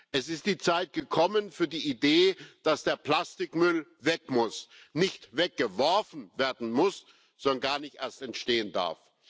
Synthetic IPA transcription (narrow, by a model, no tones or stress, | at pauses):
ʔɛsɪst̚d̥iːt͡saɪt̚ɡ̥əkʰɔmənfyːɐdiːʔideːd̥asd̥eːɐpl̥astɪkmʏlvɛkmʊs | nɪçtvɛk̚ɡ̥əvɔɐfn̩veːɐdn̩mʊs | z̥ɔndɐnɡaːɐnɪçtʔeːɐstɛntʃteːənda̰ɐf